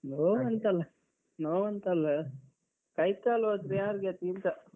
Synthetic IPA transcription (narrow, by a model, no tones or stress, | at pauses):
noːʋɐnt̪ɐlɐ | noːʋɐnt̪ɐlːɐ | kɐjt̪ːaːlot̪ɾejaːɾɡet̪int̪ɐ